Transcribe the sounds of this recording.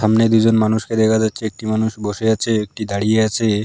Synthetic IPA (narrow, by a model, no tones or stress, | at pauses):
ʃamned̪ud͡ʑonmanuʃked̪ɛkʰad͡ʑatːɕʰeek̚ʈimanuʃboʃeat͡ɕʰeek̚ʈid̪aɽijeat͡ɕʰe